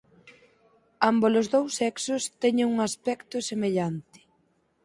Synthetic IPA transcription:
ambolʊzðowsːɛksʊst̪ɛɲɪŋuŋaspɛkt̪ʊsemeʎant̪ɪ̥

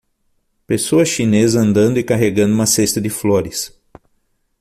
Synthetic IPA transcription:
pesoɐʃinezɐɐ̃nd̪ɐ̃nd̪ʊɪkaɦeɡɐ̃nd̪ʊũmɐsest̪ɐd̪ɪfloɾɪs

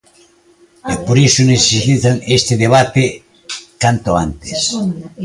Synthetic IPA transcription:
epoɾisoneθesiiθaŋest̪eðeβat̪e | kant̪oa̰nt̪e̥s

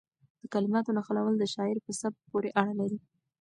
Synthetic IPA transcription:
d̪̥əkalɪmɑt̪onaxalawəld̪əʃɑɪɾpəsab̪̚poɾeʔaɽalaɾi

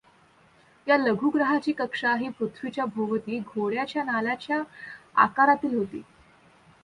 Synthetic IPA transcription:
jaləɡʱuːɡɾəɦat͡ɕiːkəkʂaɦiput̪ʰʋit͡ɕjabʱoʋət̪iːɡʱoɽjat͡ɕjanalat͡ɕjaa̰kaɾat̪iːlɦot̪ḭː

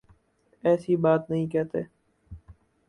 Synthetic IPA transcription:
ɛːsibaːt̪nəɦĩkɛːt̪eː

